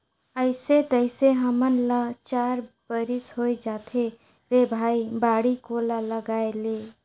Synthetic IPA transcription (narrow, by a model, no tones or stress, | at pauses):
əɪset̪əɪseɦəmənlət͡ʃaɾbəɾisɦojd͡ʒat̪ʰe | ɾebʱaibaɽikolaləɡaele